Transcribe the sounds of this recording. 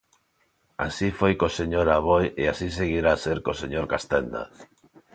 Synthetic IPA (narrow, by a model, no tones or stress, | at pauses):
a̰sifojkoseɲoɾaβojeasis̬eɣiɾaseɾkoseɲoɾkast̪end̪a̰θ